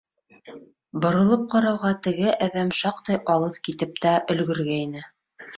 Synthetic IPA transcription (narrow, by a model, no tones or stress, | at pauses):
bŏɾɤ̆lˠɤp̚qɑɾɑwʁɑt̪ɘ̆ɡɘʔæðæmʃɑqt̪ɤjʔɑlˠɤðkit̪ɘp̚t̪æʔɵ̆lɡɵ̆ɾɡæinɘ